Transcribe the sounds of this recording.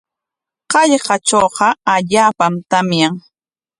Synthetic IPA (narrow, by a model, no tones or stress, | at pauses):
qɑʎɢɑt͡ʃowqɑaʎaːpamt̪amjaŋ